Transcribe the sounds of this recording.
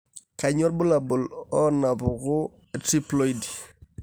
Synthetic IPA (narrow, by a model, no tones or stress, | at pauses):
kaɲɔɾbʊlabʊlɔnabʊɣʊ | tɾiploidi